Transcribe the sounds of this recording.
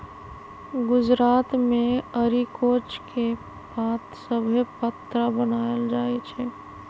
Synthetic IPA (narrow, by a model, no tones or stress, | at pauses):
ɡʊd͡ʒɾaːt̪mẽəɾikoːt͡ʃkʰe | bat̪səbʱepət̪ɾəbənaːeld͡ʒaːɛt͡ʃʰɛ